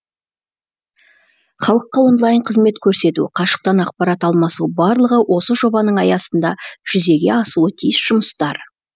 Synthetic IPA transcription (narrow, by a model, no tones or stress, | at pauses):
χɑlˠəqːɑwo̞nlˠɑjɴqʰəzme̞t̪kʲʰɵɾse̞t̪ṵqʰɑʃə̥q̚t̪ɑnɑq̚pɑɾɑt̪ɑlˠmɑsubɑɾlˠəʁəwʔo̞səʒo̞bɑnəɴɑjɑsənd̪ɑʒ̥ʏze̞ɡʲe̞ɑsuət̪ʰijəsʒ̥ʊməst̪ɑɾ